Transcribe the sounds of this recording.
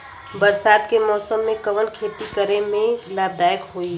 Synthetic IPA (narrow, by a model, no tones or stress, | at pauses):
bəɾsaːd̪kemɔːsəmːẽkəʋənkʰeːt̪ikəɾemẽkɪlaːb̚d̪aːjəkɦoi